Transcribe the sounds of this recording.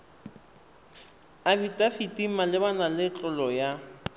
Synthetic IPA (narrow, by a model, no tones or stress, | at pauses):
abitʼafitʼimalɪbanalɪt͡ɬʼʊlɔja